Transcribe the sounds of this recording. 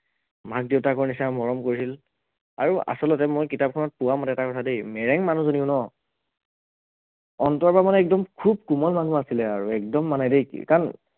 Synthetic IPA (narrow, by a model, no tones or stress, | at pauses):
mak̚deʊtakoɹinisamɔɹɔmkoɹisil | a̰ɹua̰sɔlɔtɛmojkitap̚kʰɔnɔt̚pʊwamɔtɛɛtakɔtʰadejmɛɹɛŋmanũzoniʊnɔ | ɔntɔɹpamanɛɛk̚dɔmkʰub̚kumɔlmanuasilɛaɹuɛk̚dɔmːanajdej̰kan